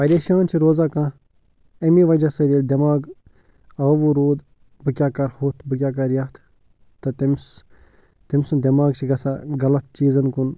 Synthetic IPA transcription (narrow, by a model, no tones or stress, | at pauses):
pɐɾʲeːʃaːnt͡ʃʰiɾoːzaːkãː | ɐmĩːʋɐd͡ʒasɐd̪ʲeːlʲd̪ʲɐmaːɡ | ɐːʋuɾoːd̪ | bɨkʲaːkɐɾhoːt̪ʰbɨkʲjaːk̬ɐɾjaːt̪ʰ | t̪ɐt̪ims | t̪imsud̪ʲɐmaːɡt͡ʃʰiɡɐsaːɡɐlɐt̪̚t͡ʃiːzɐnkun